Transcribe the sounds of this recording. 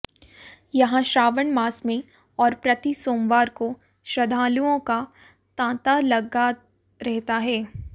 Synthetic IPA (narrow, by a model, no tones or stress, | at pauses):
jɐɦãʃɾaːʋəɳmaːsmẽ | ɔːɾpɾɐt̪isoːmʋaːɾko | ʃɾɐd̪ʱaːluõka | t̪ãːt̪alɐɡa | ɾɛɦt̪aɦɛː